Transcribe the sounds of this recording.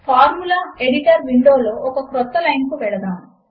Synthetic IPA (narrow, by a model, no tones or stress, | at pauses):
pʰaːɾmulaeɽiʈɐɾʋiɳɖoːloːʔɔkɐkɾɔt̪ːɐlɐjnkuʋɛɭɐd̪aːnu